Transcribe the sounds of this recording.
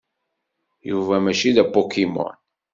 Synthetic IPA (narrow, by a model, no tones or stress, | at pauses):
juvæmæʃiðæpːokimɔ̰n